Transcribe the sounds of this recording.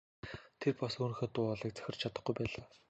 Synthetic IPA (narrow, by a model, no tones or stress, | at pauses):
t̪ʰerpasuːn̆xeːt̪ʊːɔɮiːk̚t͡sæ̥xʲɪ̆r̥t͡ɕʰat̪ə̆χɡujpæːɮaː